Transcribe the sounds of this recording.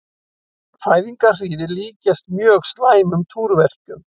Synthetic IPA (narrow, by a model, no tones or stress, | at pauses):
faːjviŋkar̥iːðɪliːcɛst̪mjœːɣst̪laːjmʏmt̪ʰuːɾvɛr̥t̪ʏm